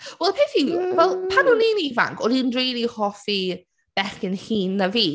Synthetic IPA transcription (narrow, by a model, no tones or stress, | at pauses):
wɛlˠpʰeːθivɛlˠpʰanuniːniva̰ŋkʰɔdinrejlˠihɔfi | b̥ɛχɪnhiːnːaviː